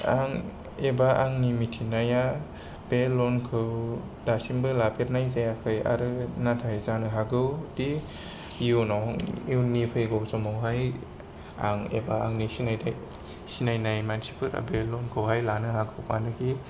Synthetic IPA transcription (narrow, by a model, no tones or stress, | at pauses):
aŋ | ebaʔaŋnimitʰinaja | b̥elɔnkʰɯw | d̥asimbɯlabeɾnajzajakʰɯja̰ɾɯnatʰajzanɯɦaɡɯwti | junɔŋiwnipʰɯjɡɔwsɔmɔwɦaj | a̰ŋḛbaaŋnisinajda | sinajnajmansipʰɯɾa̰belɔnkʰɯwhajlanɯhaɡɯwpa̰nɯɡi